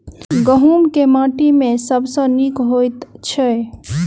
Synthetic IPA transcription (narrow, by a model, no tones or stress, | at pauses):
ɡəɦuːnkemãːʈimẽsəbsə̃nikɦojt̪t͡ʃʰe